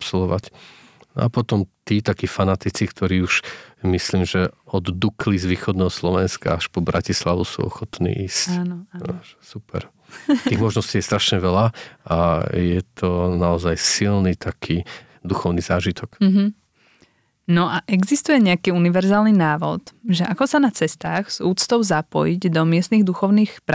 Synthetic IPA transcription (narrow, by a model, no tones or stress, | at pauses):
psɔlɔʋac | nɔ̰a̰pɔt̪ɔmt̪iːt̪akiːfanat̪it͡sikt̪ʰɔɾiːuʃmisliːmʒɛɔd̪d̪uklizʋiːxɔd̪nɛːɦɔslɔʋɛnska̰aʃpɔbɾʔacislaʋusṵːɔ̰xɔt̪nḭːʔiːscːnasupɛ̰ɾ | t̪iːɣmɔʒnɔsciːjɛst̪ɾaʃɲɛʋɛlaʔajɛt̪ʰɔnaɔzajsilnit̪ʰakʰiː | d̪uxɔʊnizaːʒit̪ʰɔk̩ɦ̩ | nɔʔaʔɛɡzist̪ujɛɲɛakiːuniʋɛɾzaːlninaːʋɔ̰t̪ʒɛʔakɔsanat͡sɛst̪aːɣz̥uːt͡st̪ɔʊzapɔ̰jiɟd̪ɔmɪɛst̪niɣd̪uxɔʊniːxpɾ